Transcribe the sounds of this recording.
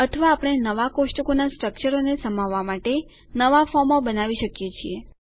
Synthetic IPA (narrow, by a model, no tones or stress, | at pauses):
ət̪ʰəʋaːpɽ̃enəʋakosʈəkonasʈɾək̚t͡ʃəɾonesəmaʋːamaʈe | nəʋafɔɾmobənaʋiʃəkjet͡ʃʰie